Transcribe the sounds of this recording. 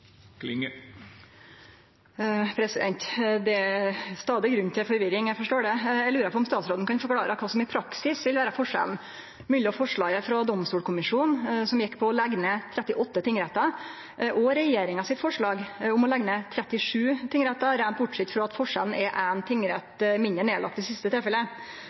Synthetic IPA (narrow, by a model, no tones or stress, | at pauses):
k̪ɪŋ | pʰɾɛsɪd̪ɛnt̪d̪ɛæst̪ɑːd̪ɪɡɾʉnːt̪ʰɪlfɔɾʋɪɾɪŋjæɡfɔʂʈoːɖɛjælʉːɾəɾpʰɔmst̪ɑːt̪sɾoːd̪n̩kʰɑnfɔɾkʰɽɑːɾəkʰɑːsɔmɪpʰɾɑksɪsʋɪlʋæːɾəfɔʂɛ̰ln̩ | mʉːlɪɔfɔʂɭɑːɡəfɾɔd̪ɔmst̪uːlkʰʊmɪʂuːnsɔmjɛkːpʰɔːlɛɡnət̪ʰɾɛt̪ːɪʔɔt̪ːət̪ʰɪŋɾɛt̪ɑ | ʔɔɾɛjeːɾɪŋɑsɪt̪fɔʂɭɑːɡʊmɔlɛɡnət̪ʰɾɛt̪ɪʂʉːt̪ʰɪŋɾɛt̪ːɑɾænt̪̚bʊʈʂɛt̪ːfɾɔɑt̪fɔʂɛ̰ln̩ʔɛɾʔænt̪ʰɪŋːɾɛt̪mɪnd̪əɳeːlʔɑ̰kt̪ɪsɪst̪ət̪ʰɪlfɛlːə